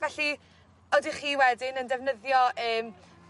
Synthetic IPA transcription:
vɛɬi | odiχiːwɛdɪnəndɛvnəðjɔʔəːm

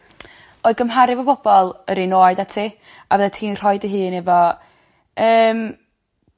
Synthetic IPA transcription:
oɨðɡəmɦaɾɪvɔbɔb̥ɔlˠəɾinoːɨdatʰiː | avɛðɛtʰiːnr̥ɔɨdəɦɨːnɛvɔ | əːm

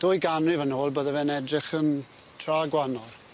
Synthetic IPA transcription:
d̥oːjɡanrɪvənoːlˠbəðəvɛnɛdrɪχən | tʰraːɡwanɔlˠ

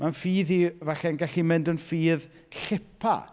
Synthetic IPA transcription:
mʔanfiːðivaɬɛnɡɛɬimɪndənfiːð | ɬɪpʰa̰

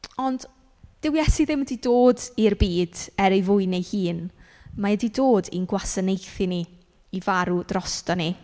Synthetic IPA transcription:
ɔnd | d̥ɪwjɛsiðɪmədidoːdirbiːd̥ɛɾejvʊɨnejhiːn | maədidoːdḭnɡwasənejθiniː | vaɾud̥rɔstɔni

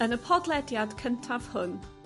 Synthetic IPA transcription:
ənəpʰɔdlˠɛdjad̥kʰəntʰav̥hʊn

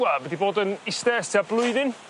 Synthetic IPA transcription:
avɛdiboːdənɪstɛsablˠʊɨðɪn

